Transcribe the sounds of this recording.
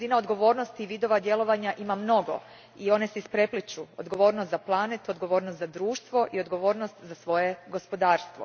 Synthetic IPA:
zinaod̪ɡo̞ʋo̞ːɾno̞st̪iːʋid̪o̞ʋad̪je̞lˠo̞ʋaɲaʔimamno̞ɡo̞̰ | io̞ne̞seispɾe̞plit͡ʃuo̰d̪ɡo̞ʋo̞ːɾnost̪zaplˠanet̪uod̪ɡo̞ʋo̞ːɾnost̪zad̪ɾuːʃt̪ʋo̞ʔio̞d̪ɡo̞ʋo̞ːɾnost̪zasʋo̞je̞ɡo̞spo̞d̪aːɾst̪ʋo̰

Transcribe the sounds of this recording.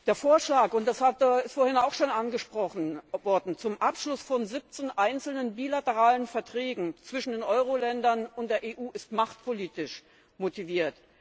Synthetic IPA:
d̥eːɐfoːɐʃlaːkʊnt̚d̥ashatɪstfoːɐhɪnaʊxʃoːnʔanɡəʃpʁ̥ɔχn̩vɔɐdn̩t͡sʊmʔapʃlʊsfɔnzɪp̚t͡senʔaɪnt͡sl̩nənbiːlatəʁaːlənfɛɐtʁ̥ɛːɡŋ̩t͡sv̥ɪʃn̩deːnʔɔʏʁ̞olɛndɐnʊntd̥eːɐʔeːʔuːʔɪstmaχtpʰoliːtɪʃ | motiviːɐt

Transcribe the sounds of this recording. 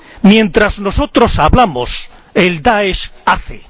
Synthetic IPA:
mjẽ̞nt̪ɾazno̞so̞t̪ɾo̞saβlamos | eld̪aeʃaθḛ

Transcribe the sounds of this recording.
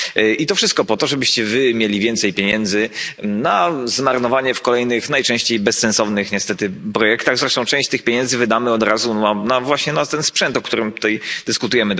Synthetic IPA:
ʔit̪ɔfʂɨst̪̚kɔpɔt̪ɔʐɛbɘɕt͡ɕɛvɘmʲjelʲivʲjɛnt̪sɛjpʲjeɲɛnd̪zɘnazmaɾnɔvaɲɛfkɔlɛjnɘxnajt͡ʂɛ̃w̃ɕt͡ɕejbɛssɛnsɔvnɘxɲɛst̪ɛt̪ɘpɾɔjɛkt̪aɣzɾɛʂt̪ɔ̃w̃t͡ʂɛ̃ɕt͡ɕt̪ɘxpʲjeɲɛnzɘvɘd̪amɘɔd̪ɾazuanavwaɕɲɛnat̪ɛnspʂɛnt̪ɔk̚t̪uɾɘmt̪ut̪ajd̪ɘskut̪ujɛmɘ

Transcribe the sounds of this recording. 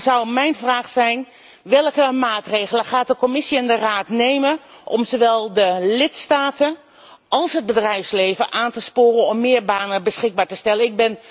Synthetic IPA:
zʌwmɛjnvraːχsɛjn | ʋɪlˠkəmaːtrejɣələχaːt̚dəkɔmɪsiɛndəraːtnejməʔɔmzoʋɛlˠdəlɪtstaːtə | ɑlˠsɦəd̚bədrɛjfslejvəʔaːntəspoːrənɔmːɪːɹbaːnəbəsχɪɡ̚baːɹtəstɛlənɪɡ̚bɪn

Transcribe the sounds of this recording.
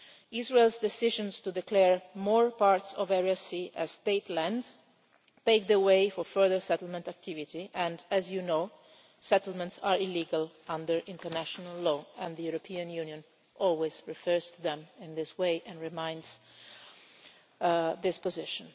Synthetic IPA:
ɪzɹeɪlzd̪ɛsɪʒɔ̃nst̪ud̪ɛkʰlɛɹmɔːɹpaɹt̪sɔvɛɹiasiʔæz̥st̪eɪt̪læ̃nd | t̪eɪk̚d̪əweɪfɔɹfɜ˞ðəɹsɛt̪əl̩ˠmɛ̃ntak̚t̪ʰɪvitiʔɛ̃ndæzjunoʊ | sɛt̪əlmɛ̃ntsaɹɪliːɡal | ãndəɹʔɪ̃ntəɹnæʃɔnalːɔːɛ̃nðəjuɾɔpʰiãnjunjɔ̃n | ʔɔlwezɹifɜɹz̥t̪uðɛ̃mɪ̃nðɪsweɪʔɛ̃nɹɪmãɪ̃ndz | ðɪspɔzɪʃə̃n

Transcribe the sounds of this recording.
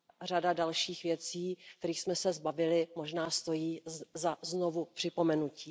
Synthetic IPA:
r̝adadalʃiːxvjɛt͡siːk̚t̪ɛɾiːxsmɛsɛzbavɪlɪmo̞ʒnaːst̪o̞jiːzaznovupr̥ɪpo̞mɛnuciː

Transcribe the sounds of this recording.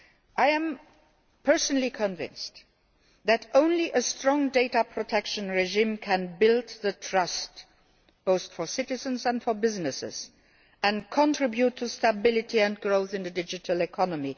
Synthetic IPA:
ʔaɪæ̃m | pʰɜ˞sənəlikʰə̃ɱvɪ̰̃nst | ðætõʊ̃nliʔəstɹɔ̃ŋdeɪtəpʰɹotʰɛkʃə̃nɹɛʒĩːmkʰæ̃nbɪltðətʰɹʌst | b̥oʊθtfɔ˞sɪtɪzə̃nzæ̃ntfɔ˞bɪznɪsɪ̰z̥ | æ̃nkʰɔ̃ntʰɹ̥ɪbjutʰːustəbɪlɪtʰiɛ̃nɡɹoʊθɪ̃nðədɪd͡ʒɨtʰəlɛkʰɔnəmi

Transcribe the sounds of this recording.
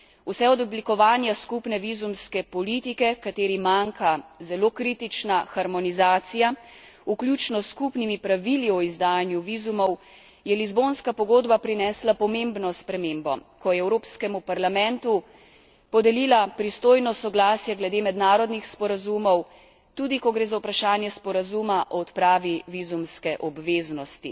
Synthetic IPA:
usɛɔd̪ɔblikɔʋaːnjaskupnɛʋizumskɛpɔliːt̪ikɛkat̪eːɾimaŋkazɛloːkɾiːt̪it͡ʃnaxaɾmɔnizaːt̪sija | uklʲjuːt͡ʃnɔskupnimipɾaʋiliɔizd̪aːjanjuʋizumɔw | jɛlizbonskapɔɡoːd̪bapɾinɛslapɔmembnɔspɾɛmeːmbɔ̰kɔjɛɛwɾoːpskɛmupaɾlamɛ̃nt̪u | pɔd̪ɛliːlapɾist̪oːjnɔsɔɡlaːsjɛɡlɛd̪eːmɛd̪naːɾɔd̪nixspɔɾazumɔw | t̪ud̪ikɔɡɾeːzawpɾaʃaːnjɛspɔɾazumaʔɔɔt̪pɾaːʋiʋizumskɛʔɔbʋeːznɔst̪i

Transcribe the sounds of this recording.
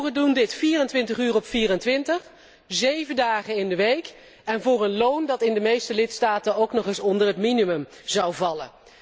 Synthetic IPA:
χədundɪtfiːrəntʋɪntəχyːrɔpfiːrəntʋɪntəχ | zejvəndaːχənɪndəʋejk | ɛnvʊːrənlowndɑtɪndəmejstəlɪtstaːtənowknɔχɪsɔndərɦətminymɵm | zɑwvɑlə̰

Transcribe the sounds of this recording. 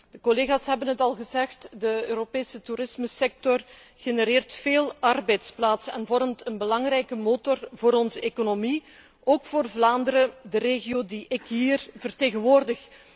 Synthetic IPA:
dəkoleːɣaːsɦɛbənɦətɑlˠɣəzɛxtdəøːɾopeːsətuɾɪsməsɛk̚tɔr | ɣenəɾeːrtfeːlˠɑrbɛjtsplaːtsɛ̰nvɔrmtənbəlɑŋɾɛjkəmoːtɔrvoːɾɔnzəekonomi | oːkfoːrvlaːndəɾədəreːɣiodiʔɪkɦiːrvərteːɣənʋoːrdəx

